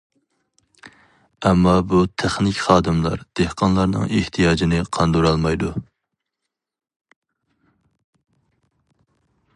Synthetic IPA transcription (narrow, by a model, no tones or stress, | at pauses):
ɛmːɑbut̪ʰɛχnɪkʲχɑːd̪ɨmlˠɑ̰ɾd̪̥ehqʰɑnlˠɑɾnɨ̰ŋeht̪ʰijɑːd͡ʒinɪqʰɑnd̪uɾɑlˠmɑjd̪u